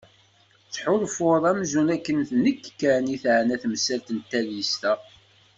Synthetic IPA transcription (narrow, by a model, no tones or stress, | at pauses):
t͡sːħʊɾfʊɾˤæmzunækːənθnəkːkːæniθʕənæθməsælt̪ənt̪ːæljist̪æ